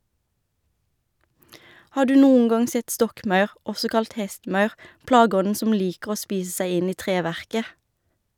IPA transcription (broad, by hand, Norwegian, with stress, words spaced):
ˈhɑː ˈɖʉː ˈnuːəŋ ˈɡɑŋ ˈsɛt ˈstɔkˌmɑʉʁ ˈɔsɔ ˈkɑlt ˈhɛstˌmɑʉʁ ˈplɑːˌɡɔnn̩ ˈsʊm ˈliːkəʁ ˈoː ˈspiːs ˈsæɪ ˈɪn ˈiː ˈtʁeːˌʋæʁkə